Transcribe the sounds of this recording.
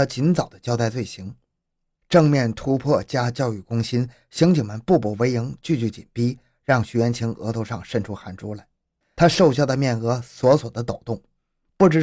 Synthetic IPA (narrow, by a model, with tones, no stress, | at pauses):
a˥˩t͡ɕi˧˥nt͡sɑ˨˩ʊd̪ə˦t͡ɕjɑ˥ʊt̪a˥˧ɪt͡swe˥˩ɪɕi˧˥ŋ | ʈ͡ʂɤ˥˧ŋmjɛ˥˩nt̪ʰu˥pʰwɔ˥˩t͡ɕja˥t͡ɕjɑ˥˧ʊy˥˩kʊ˥ŋɕi˥n | ɕi˧˥ŋt͡ɕi˨˩ŋmə˧˦npu˥˩pu˨˩we˧˥ɪji˧˥ŋt͡ɕy˥˧t͡ɕy˧˥˩t͡ɕḭ˨˩npi˥ | ɻɑ˥˩ŋɕy˧˥ɥɛ˧˥nt͡ɕʰi˧˥ŋɤ̰˧˥t̪ʰo˧ʊʂɑ˥˧ŋʂə˥˩nʈ͡ʂʰu˥xa˧˥˩nʈ͡ʂu˥la˧˩ɪ | t̪ʰa˥ʂo˥˧ʊɕjɑ˥˧˩d̪ə˩mjɛ˥˩nɤ˧˥swɔ˧˥swɔ˨˩d̪ə˦t̪o˨˩ʊt̪ʊ˥˩ŋ | pu˥˩ʈ͡ʂɻ̩˧˩